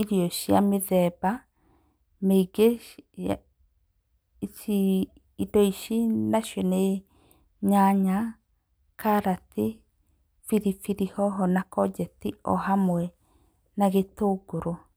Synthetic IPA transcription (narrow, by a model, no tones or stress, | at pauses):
iɾiɔʃja̰meðɛba | meiɡea | t͡ʃi | idɔiʃinaʃɔne | ɲaɲa | kaɾati | fiɾifiɾihɔɦɔnakɔd͡ʒɛtiɔ̰hamwɛ | naɣetoːɡoɾo